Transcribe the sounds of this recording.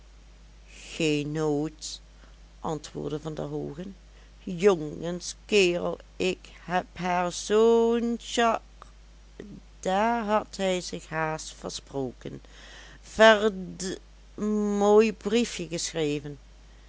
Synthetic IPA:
xeːnːoːt | ʔɑntʋʊ̰ːɹdəvɑndə̰ɦoːɣən | joŋənskɪːrə̰lˠɪk | hɛpɦaːɹzonʃɑk | d̥aːɹɦɑtɦɛjzɪxɦaːstfə̰ɹsproːkən | v̥əɹ | moːjbrifjəɣəsxrejvən

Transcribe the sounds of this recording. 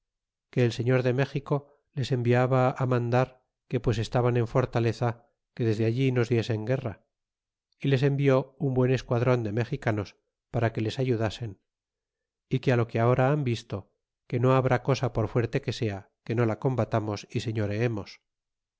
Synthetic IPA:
ke̞ːlse̞ɲo̞ɾðe̞me̞xiko̞ | le̞se̞mbiaβaːmãnd̪aɾ | ke̞pwe̞se̞st̪aβane̞ɱfo̞ɾt̪ale̞θa | ke̞ðe̞zðeaʎino̞zðje̞se̞ŋɡe̞ra | ile̞se̞mbio̞umbwe̞ne̞skwaðɾo̞nd̪e̞me̞xikano̞s | paɾake̞le̞saʝuðase̞n | ikealo̞keao̞ɾaambist̪o̞ | ke̞no̞aβɾako̞sapo̞ɾfwe̞ɾt̪e̞ke̞se̞a | ke̞no̞lako̞mbat̪amo̞sise̞ɲo̞ɾe̞emo̞s

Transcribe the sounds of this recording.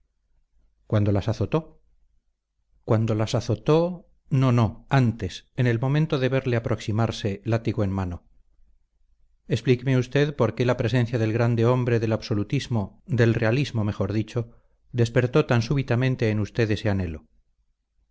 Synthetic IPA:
kwand̪o̞lasaθo̞t̪o̞ | kwand̪o̞lasaθo̞t̪o̞ | nono̞ant̪e̞sene̞lmõ̞mẽnt̪o̞ðe̞βe̞ɾle̞apɾo̞ksimaɾse̞lat̪iɣoenmano̞ | e̞splikemeust̪e̞ðpo̞ɾke̞lapɾe̞s̬e̞n̟θjaðe̞lɣɾand̪e̞o̞mbɾe̞ðe̞laβso̞lut̪izmo̞d̪e̞lre̞alizmo̞me̞xo̞ɾðit͡ʃo̞ | d̪e̞spe̞ɾt̪o̞t̪ansuβit̪amẽnt̪e̞ːnust̪e̞ðe̞se̞ane̞lo̞

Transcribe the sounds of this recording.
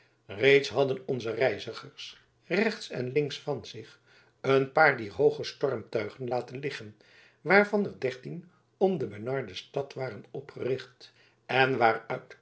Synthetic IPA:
rejtsɦɑdənɔnzərɛjzəχəɹs | rɛχtsɛ̰nlɪŋksfɑnzɪχ | ənpaːɹdiːrɦowχəstɔrmtœɥχənlaːtənlɪχən | ʋaːɹvɑnəɹdɛɹtin | ɔmdəbənɑɹdəstɑtʋaːrənɔpχərɪχt | ɛnʋaːrœt

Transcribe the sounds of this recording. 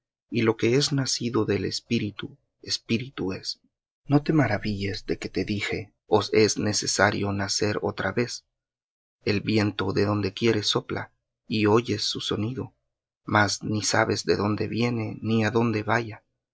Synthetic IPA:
ilo̞ke̞e̞znasiðo̞ðe̞le̞̰spiɾit̪u | e̞spiɾit̪ue̞s | no̞t̪e̞maɾaβiʝe̞zðe̞ke̞t̪e̞ðixe̞ | ose̞zne̞se̞saɾjo̞nase̞ɾo̞̰t̪ɾaβe̞s | e̞lbje̞nt̪o̞ðe̞ðo̞nd̪e̞kje̞ɾe̞so̞pla̰ | io̞ʝe̞sːuso̞niðo̞̰ | maznisaβe̞zðe̞ðo̞nd̪e̞̰βje̞ne̞niaðo̞nd̪e̞βaʝa

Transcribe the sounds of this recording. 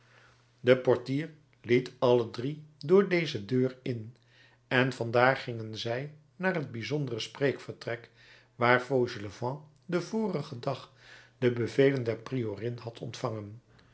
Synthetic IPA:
dəpɔɹtiːɹ | litɑlədridʊːɹdejzədøːrɪn | ɛnvɑndaːɹχɪŋənzɛj | naːrɦəd̚bizɔndərəsprejkfəɹtrɛk | ʋaːɹfowʒələvɑ̃ | dəvʊːrəχədɑχd̥əbəvejləndɛɹprioːrɪnɦɑtʰɔ̰ntfɑŋən

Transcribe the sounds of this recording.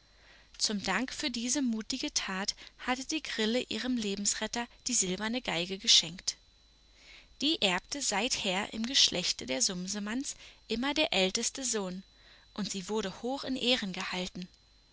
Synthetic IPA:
t͡sʊmdaŋkfyːɐdiːzəmuːtɪɡətʰaːthatəd̥iːɡʁɪləʔiːʁəmleːbm̩sʁɛtɐd̥iːzɪlbɐnəɡaɪɡəɡəʃɛŋkt | d̥iːʔɛɐptəzaɪtheːɐʔɪ̰mɡəʃlʔɛçtədeːɐzʊmzəmansʔɪmɐdeːɐʔɛltəstəzoːn | ʔʊntz̥iːvʊɐɾəhoːxɪnʔeːʁənɡəhaltn̩

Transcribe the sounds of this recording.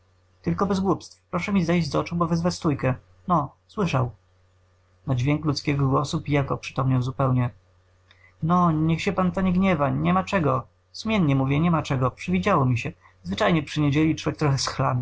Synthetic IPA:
t̪ɘlkɔbɛzɡwupst̪fpɾɔʂɛmʲizajd͡ʑzɔt͡ʂubɔvɛzvat͡ɕst̪ujkɛ | nɔswɘʂaw | nad͡ʑvʲjɛŋklut̪skʲɛɡɔɡwɔsupijakɔ̰pʂɘ̥t̪ɔmɲawzupɛwɲɛ | nɔɲɛxɕɛpant̪aɲɛɡɲɛvaɲɛmat͡ʂɛɡɔ | sumʲjɛnɲɛmuvʲjɛɲɛmat͡ʂɛɡɔpʂɘvʲid͡ʑawɔmʲiɕɛ | zvɘt͡ʂajɲɛpʂɘɲed͡ʑelʲit͡ʂwɔvʲjɛkt̪ɾɔxɛsxla̰mʲi

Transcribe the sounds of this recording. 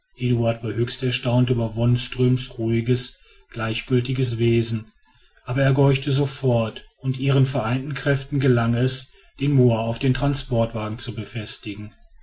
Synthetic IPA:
ʔeːduaɐtv̥aːɐhøːçstɛɐʃtaʊntyːbɐvɔnstʁ̥øːmsʁuːɪɡəs | ɡ̥laɪçɡ̥ʏltɪɡəs̬v̥eːzn̩ | ʔaːbɐeːɐɡɔʏçtəzofɔɐtʊntʔiːʁənfɛɐʔaɪntn̩kʁ̥ɛftn̩ɡəlaŋɛs | d̥eːnmoːɐaʊfd̥eːntʁ̥anspɔɐtv̥aːɡŋ̩t͡subəfɛstɪɡŋ̩

